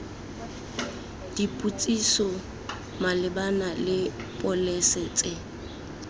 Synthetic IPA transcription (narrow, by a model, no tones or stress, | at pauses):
d̥ipʼut͡sʼisɔ | malɪbanalɪ | pʼɔlɛsɛːt͡sʼɪ